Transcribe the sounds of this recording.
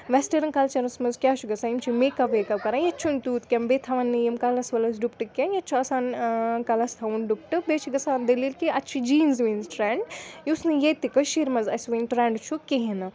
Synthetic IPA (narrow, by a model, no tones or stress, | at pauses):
ʋɛsʈɐɾɨnkɐlt͡ʃɐɾɐnsmɐzkʲjaːt͡ʃʰuɡɐsaint͡ʃʰumekɐʋekɐbkɐɾãjɐt͡ʃʰunt̪uːt̪kʲɐmbet̪ʰɐʋɐnːijɐmkɐlɐsʋɐlɐs̬ɖupʈɨkʲenjɐt͡ʃʰuɐsaːnkɐlɐst̪ʰɐunɖup̚ʈɨbet͡ʃʰuɡɐsand̪ɐlilkiɐt͡ʃʰid͡ʒiːnzʋinzʈɾɛːɳɖjiusnɨjet̪ikəʃiɾmɐzɐsʋinʈɾɛ̃ːɳɖt͡ʃʰukeɦenɐ